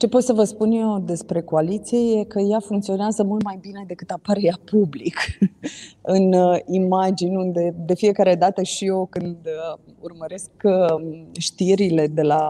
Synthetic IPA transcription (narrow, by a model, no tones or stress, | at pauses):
t͡ʃe̞po̞t̪səvəspunje̞wd̪e̞spɾe̞ko̞alit̪sije̞je̞kəjafuŋk̚t̪sio̞neazəmult̪majbine̞d̪e̞kɨt̪apaɾejapublik | ɨnimad͡ʒinʲund̪e̞d̪e̞fije̞kaɾe̞d̪at̪əʃio̞kɨnd̪ | ṵrməɾe̞sk | ʃt̪iɾile̞d̪e̞la